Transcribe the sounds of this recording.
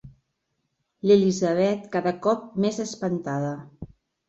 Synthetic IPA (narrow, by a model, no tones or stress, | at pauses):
lelizəβɛt̪kaðəkɔp̚mezəspənt̪aðə